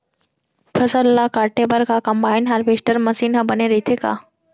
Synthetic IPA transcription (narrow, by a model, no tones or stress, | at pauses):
pʰəsəlːakaɾʈebəɾkakəmbainɦaɾbeʂʈəɾməsiːnɦəbəneɾəit̪ʰeka̰